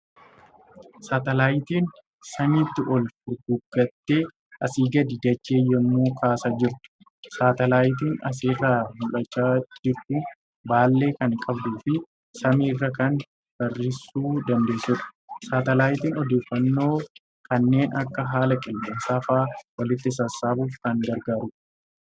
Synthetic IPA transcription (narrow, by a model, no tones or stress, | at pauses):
saːt̪ɐlaːjt̪iːn | sɐmiːt̪ːɪʔɔlfʊɡʊɡːɐt̪ːe̞ː | ʔɐsiːɡɐd̪ɪd̪ɐt͡ʃːeːjɔmːoːkʰaːsad͡ʒɪɾ | saːt̪ɐlaːjt̪̬iːnɐ̰s̬eːrːaːmʊlɐt͡ʃːaːd͡ʒɪɾt̪ʊ | baːlːe̞ːkɐŋkʼɐbd̪uːfɪ | sɐmiːrːɐkɐn | b̥ɐrːɪsːuːd̪ɐnd̪e̞ːsʊᶑɐ̥saːt̪ɐlaːjt̪iːnɔd̪e̞ːfːɐnːo̞ː | kɐnːe̞ːnɐkːɐɦaːlɐkʼɪlkʼɪnsaːfaːwɐlɪt̪ːɪsɐsːaːbuːfkɐŋɡɐɾɡaːɾʊ